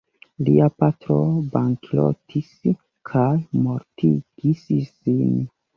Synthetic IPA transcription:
liapatɾo̞baŋkʰlo̰tʰis | kʰajmo̞ɾtḭɡ̥issin

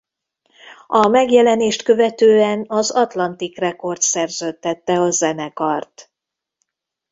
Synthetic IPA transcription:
ɒmɛɡjɛlɛneːʃt̪kø̞vɛt̪øːɛnɒzɒt̪lɒnt̪ikrɛko̞rt̪sɛrzøːt̪ːɛt̪ːɛɒzɛnɛkɒrt̪

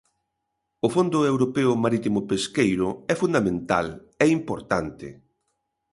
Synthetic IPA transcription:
ʊfond̪ʊewɾopɛʊmaɾit̪imʊpeskejɾʊɛfund̪amẽnt̪a̰l | ɛimpoɾt̪ant̪ɪ̰

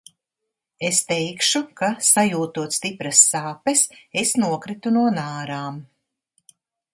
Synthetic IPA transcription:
est̪ɛjkʃukasajuːt̪uɔt̪st̪ipɾɐsːaːpesesnuɔkɾit̪unuɔnaːɾaːm

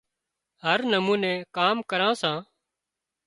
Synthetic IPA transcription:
ɦəɾnəmũːnɛ̃ːkaːmkəɾãːsãː

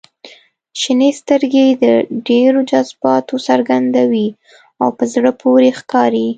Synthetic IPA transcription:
ʃinest̪əɾɡed̪əɖeɾod͡ʒazbɑt̪osaɾɡand̪awi | awpəzɽəpʰoɾexkɑɾi

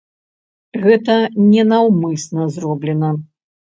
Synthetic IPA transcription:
ɣɛt̪ɐnʲɛnawmɨsnɐzrɔblʲɛnɐ

